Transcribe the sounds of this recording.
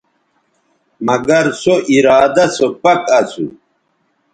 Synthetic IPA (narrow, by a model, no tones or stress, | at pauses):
mɐɡɐɾsoʔiɾaːd̪ɐsopɐkɐsṵ